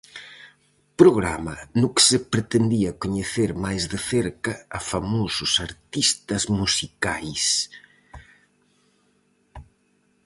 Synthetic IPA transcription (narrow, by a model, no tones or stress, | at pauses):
pɾoɣɾamɐnuksepɾet̪end̪iɐkuɲeθeɾmajzðeθeɾkɐːfamosusaɾt̪ist̪ɐzmusikajs